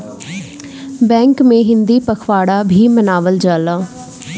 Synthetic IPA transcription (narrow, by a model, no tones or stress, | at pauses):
bɛ̃ːŋkmẽɦɪnd̪iːpəkʰʋaːɽaːbʱiːmənaːʋəld͡ʒaːlaː